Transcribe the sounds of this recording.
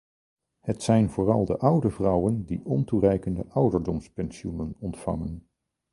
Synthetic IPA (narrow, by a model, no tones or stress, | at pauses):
hətsɛjnvʊːrɑlˠdə̰ʔʌwdəvrʌwəndiʔɔnturɛjkəndəʔʌwdəɹdɔmspɛnsiunənɔntfɑ̰ŋən